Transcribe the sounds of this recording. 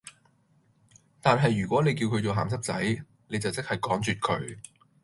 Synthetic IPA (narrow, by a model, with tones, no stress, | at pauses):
t̪aː˨nɦɐ˨jːyː˨˩kʷɔː˨˥ne˨˧jkiː˧wkʰɵ˨˧ɥt͡so˨wɦa̰ː˨ms̬ɐ˥p̚t͡sɐ̰˨˥j | ne˨˧jt͡sɐ˨wt͡sɪ˥k̚hɐ˨˩jkɔː˨˥ŋt͡ʃyː˨t̚kʰɵ̰˨˧˥ɥ